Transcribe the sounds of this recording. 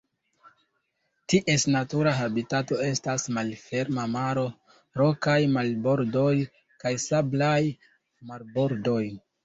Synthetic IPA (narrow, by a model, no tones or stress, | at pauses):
tiʔe̞snatuɾaɦabitato̞e̞stasmalfe̞ɾmamaɾo̞ | ɾo̞kajmalbo̞ɾdo̞j | kajsablaj | maɾbo̞ɾdo̞j